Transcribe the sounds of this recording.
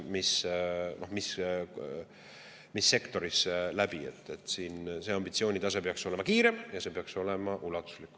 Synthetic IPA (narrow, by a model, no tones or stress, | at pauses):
misno̞hmis | misːe̞kt̪o̞ɾislæb̥ie̞̰t̪ːˑe̞t̪ːˑsiːnse̞ɑmbit̪sio̞ːnʲit̪ɑsepeɑkso̞lemɑkiːɾemjɑse̞peɑkso̞le̞mɑʔulɑt̪ːˑu̥slikːˑ